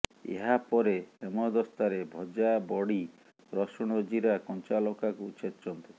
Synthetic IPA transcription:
ḛɦapɔɾeemɔd̪ɔst̪aɾebʱɔd͡ʒabɔɽi | ɾɔsɔɽ̃od͡ʒiɾakɔnt͡ʃalɔkakut͡ʃʰet̪t͡ʃɔnt̪u

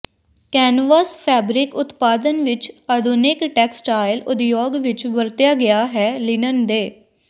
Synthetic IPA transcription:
kɛːnʋaspʰɛːbɾɪkʊt̪paːd̪ənʋɪt͡ʃəd̪ʱʊnɪkʈɛːksʈaːɪlʊd̪joːɡʋɪt͡ʃʋəɾt̪jaːɡɪjaːɦɛːlɪnənd̪eː

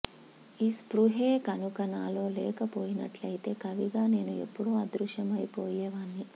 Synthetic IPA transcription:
iːspɾuɦeːkɐnukɐnaːlo̞ːlɛ̰ːkɐpo̞ːjinɐ̰ʈlɐjit̪e̞ːkɐʋiɡaːne̞ːnue̞̰pːuɽoːɐd̪ɾuʃjɐmɐjipoːjɛːʋaːnːi

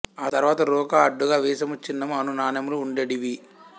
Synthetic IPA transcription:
aːt̪ɐɾuʋaːt̪ɐɾɔːkaɐɖːuɡaːʋiːsɐmut͡ʃːinːɐmɐnunaːnɐmuluːɳɖeɽiʋi

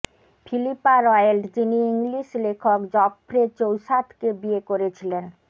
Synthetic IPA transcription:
fʰilipaɾɔjelʈd͡ʑiniiŋliʃlekʰokd͡ʑɔpːɾet͡ɕowʃat̪ʰkebiekoɾet͡ɕʰilen

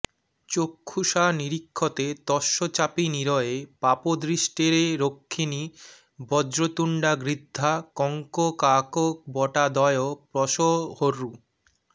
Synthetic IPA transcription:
t͡ɕokʰːuʃaniɾikʰːot̪et̪ɔʃːot͡ɕapiniɾɔepapod̪ɾiʃʈeɾeɾokʰːini | bɔd͡ʑɾot̪uɳɖaɡɾid̪ʱːakɔŋkokakok̚bɔʈad̪ɔeopɾɔʃohoɾːu

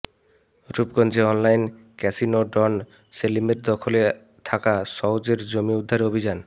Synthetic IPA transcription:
ɾubɡɔnd͡ʑeɔnlajn | kɛsinoɖɔn | selimeɾd̪ɔkʰole | t̪ʰakasɔwd͡ʑeɾd͡ʑomiud̪ʱːaɾeobʱid͡ʑan

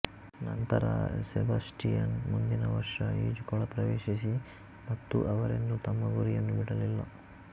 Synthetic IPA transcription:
nɐnt̪ɐɾɐ̰sɛbɐsʈijɐnmund̪inɐʋɐɾʂɐiːd͡ʒukɔɭɐpɾɐʋeːʃis̬i | mɐt̪ːuʔɐʋɐɾe̞nd̪ut̪ɐmːɐɡuɾijɐnːubiɽɐlilːɐ

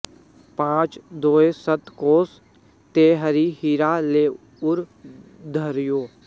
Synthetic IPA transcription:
pãːt͡ʃd̪oːesət̪koːs | t̪eːɦəɾihiːɾaːleː | ʊɾ | d̪ʱəɾjoː

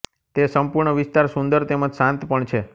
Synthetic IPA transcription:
t̪esəmpuɾɳəʋɪst̪aɾsũnd̪əɾt̪emə̃d͡ʒsãnt̪pəɳt͡ʃʰe

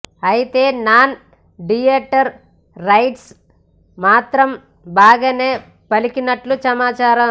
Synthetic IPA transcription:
ɐjit̪e̞ːnaːn | ɖijeːʈːɐɾː | ɐjʈs | maːt̪ɾɐm | baːɡɐːne̞ː | pɐlikinɐʈlusɐmaːt͡ʃaːɾɐ

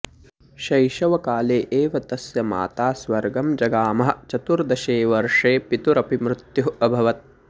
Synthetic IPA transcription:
ʃɐjʃɐʋɐkaːleːʔeːʋɐt̪ɐsjɐma̰ːt̪aːsʋɐɾɡɐmd͡ʒɐɡaːmɐɦɐ̆t͡ʃɐt̪uɾd̪ɐʃeːʋɐɾʂeːpit̪uɾɐpimɾut̪juɦɐbʱɐʋɐt̪̚

